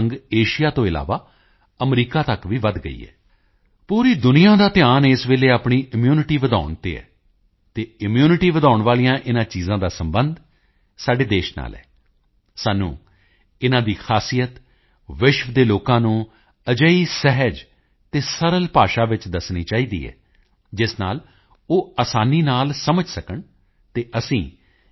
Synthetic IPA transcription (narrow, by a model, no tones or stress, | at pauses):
ŋɡeːʃɪjaːt̪õːɪla̰ːʋaː | əmɾiːkaːt̪əkʋiːʋəd̪ɡəḭːɛ̰ː | puːɾiːd̪ʊnijãːd̪aːt̪ɪjaːneːsʋeːleːaːpɳiːʔɪmjuːnɪʈiːʋəd̪a̰ːʊɳt̪ḛːɛ̰ː | t̪eːɪmjuːnɪʈiːʋəd̪aːʊɳʋaːlijãːʔɪnãːt͡ʃiːzãːd̪aːsəmbənd̪ | saːɖeːd̪eːʃna̰ːlɛ̰ː | saːnṵ̃ː | ɪnãːd̪iːkʰaːsijət̪ | ʋɪʃʋəd̪eːloːkãːnũː | əd͡ʒəiːsɛɦəd͡ʒ | t̪eːsəɾəlpaːʃaːʋɪt͡ʃd̪əsniːt͡ʃaːiːd̪ḭːɦɛ̰ː | d͡ʒɪsnaːl | oːaːsaːniːnaːlsəməd͡ʒsəkəɳ | t̪eːʔəsĩː